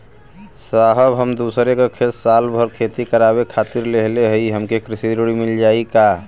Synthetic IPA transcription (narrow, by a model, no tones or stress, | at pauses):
saɦəbɦəmd̪usɾekekʰet̪salbʱəɾkʰet̪ikəɾaβekʰat̪iɾleɦleɦəjɦəmkekɾisiɾoɽimild͡ʒaika